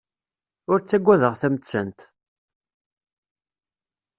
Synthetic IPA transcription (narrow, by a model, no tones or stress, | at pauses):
ʊɾt͡sːæɡʷːæðəʁθæmət͡sːənt̪